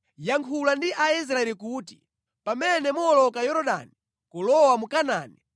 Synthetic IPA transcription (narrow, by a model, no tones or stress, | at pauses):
jaŋkʰulandiʔais̬ɾaɛlikuːti | pamɛnɛmɔɔlɔkajɔɾɔɗa̰ni | kulɔwamukanaːni